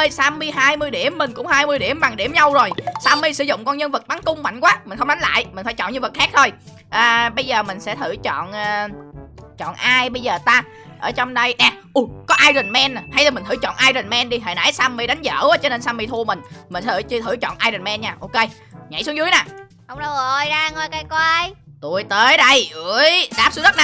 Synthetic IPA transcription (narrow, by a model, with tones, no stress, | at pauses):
ə˧jsaː˧mɨ˧əjɦaː˧jmɨ˧əjɗi˧˩əmːï˨˩ŋ̟kʊ̰˧˥ŋ͡mhaː˧jmɨ˧əjɗi˧˩əmɓa˨˩ŋɗi˧˩mɲa˧wzo˨˩jsaː˧mi˧sɨ̰˧˩zʊ̰˧˨ŋ͡mkɔ˧nɲə˧nvɨ˨˩k̚ɓa˨˦ŋkʊ˧ŋ͡mma̰˧˨jŋ̟kwaː˨˦mï˨˩ŋ̟xə˧ŋ͡mɗa˨˦jŋ̟la̰ː˧˨jmi̟˨˩faː˧˥jt͡ɕɔ̰˧˨nɲɨ̰˧vk̚xaː˦˥k̚t̪ʰo˧j | ʔəː˨˩ɓə˧jzəː˨˩mï˨˩ŋ̟sɛ̰˧˥t̪ʰɨ˧˩t͡ɕɔ̰˧˨nʔəː˨˩˨ | t͡ɕɔ̰˧˨nʔaː˧jɓə˧jzəː˨˩t̪aː˧ | ʔəː˧˩t͡ɕɔ˧wŋ͡mɗə˧jɗa˨˩ʔu˧˩kɔ˨˦ʔaː˧jɗï˨˩ŋmɛ˧nːa˨˩ha˧jlaː˨˩mï̟˨˩t̪ʰɨ˧˩˦t͡ɕɔ̰˧˨nʔaː˧jɗɨ̈˨˩ŋ̟mɛ˧nɗi˧ɦḛː˧˨na̰ː˧˥jsaː˧mːi˧ɗa˨˦jŋ̟zə̰ː˧˩wəː˨˦t͡ɕɔ˧ne˧nsaː˧mi˧t̪ʰu˧əmï˨˩ŋ̟mï˨˩ŋ˧ɨ˧˩t͡ɕɨ˧t̪ʰɨ˧˩t͡ɕɔ̰˧˨nʔaː˧jɾɨ˨˩nmɛ˧nɲaː˧˩ʔo˧ke˧j | ɲa̰˧˩jsu˨˦əŋzu˨˦əjnaː˨˩ | ʔə˧wŋ͡mɗə˧wo˨˧˩jzaː˧ŋo˧˩jka˧jkwaː˧jt̪u˨˩əjt̪əː˨˦jɗə˧jʔɨ˧˩˧əjɗaː˦˥pszə˦˥na˧